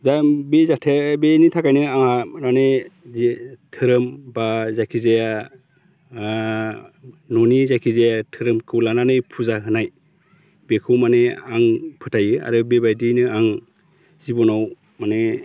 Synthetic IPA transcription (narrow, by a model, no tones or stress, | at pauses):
dabezatʰebenitʰakajnɯaŋanane | tʰɯɾɯmbazakʰizeja | nɔnizakʰizejatʰɯɾɯmkʰɯwlananɯjpʰuzaɦɯnaj | bekʰɯwmaneaŋpʰɯtʰajɯa̰ɾɯbebajdinɯaŋ | zibɔnaw | mane